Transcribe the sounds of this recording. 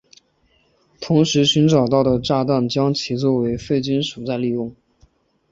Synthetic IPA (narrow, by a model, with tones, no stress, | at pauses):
t̪ʰʊ˧˥ŋʂɻ̩˧˥ɕy˧˥nʈ͡ʂɑ˨˩ʊt̪ɑ˥˩ʊd̪ə˩ʈ͡ʂa˥˧t̪a˥˩nt͡ɕjɑ˥ŋt͡ɕʰi˧˥t͡swɔ˥˩we˧˥ɪfe˥˩ɪt͡ɕy˥nʂu˨˩t͡sa˥˧ɪli˥˧jʊ˥˩ŋ